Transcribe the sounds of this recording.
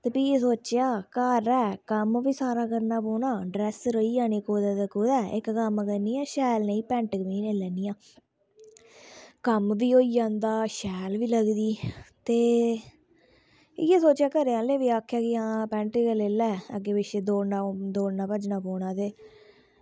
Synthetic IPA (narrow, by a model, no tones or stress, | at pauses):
t̪eːpiːesoːt͡ʃjaːkəɾɛːkəmʋiːsaːɾaːkəɾnaːpoːnaːɖɾɛːsɾoiːaːneːkoːd̪ɛːt̪ekoːd̪ɛːʔɪ̰kːəmkəniːãːʃɛːlnẽːiːpɛ̃ːɳʈkmiːneːlɛːniːjãː | kəmʋiːoːijãːnd̪aːʃɛːlʋiːləɡd̪iːt̪eː | jeːsoːt͡ʃjaːkəɾeãːleːʋiːaːkʰːjaːkɪãːpɛ̃ːɳʈːkəleːlɛːəɡeːbɪʃed̪oːnaːd̪oːnaːpəd͡ʒnaːpoːɳaːt̪eː